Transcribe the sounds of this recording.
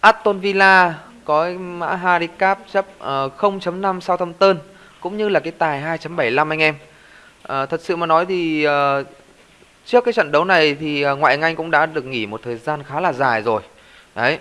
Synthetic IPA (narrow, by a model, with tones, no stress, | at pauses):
ʔaː˦˥t̚t̪o˧nvi˧laː˧ | kɔ˨˦ma̰ː˧˥ɦaː˧ɾi˧˦kaː˦˥p̚t͡ɕə˦˥p̚ʔəː˨˩xə˧wŋ͡mt͡ɕə˨˦mna˧msaː˧wt̪ʰə˧mt̪əː˧n | kʊ̰˧˥ŋ͡mɲɨ˧laː˨˩kaː˨˦jt̪aː˨˩jɦaː˧jt͡ɕə˨˦mɓə˧˩jla˧mʔa˧ŋ̟ʔɛ˧m | ʔəː˨˩t̪ʰə˨˩t̚sɨ̰˧˨maː˨˩nɔ˨˦jt̪ʰi˨˩əː˨˩ | t͡ɕɨ˦˥əkːaː˨˦jt͡ɕə̰˧˨nɗə˨˦wna˨˩jt̪ʰi˨˩əː˨˩ŋwa̰ː˧˨jŋʔa˧jŋ̟kʊ̰˧˥ŋ͡mɗa̰ː˧˥ɗɨ˨˩ək̚ŋi˧˩mo˨˩t̚t̪ʰəː˨˩jzaː˧nxaː˨˦laː˨˩zaː˨˩jzo˨˩j | ɗə˨˦j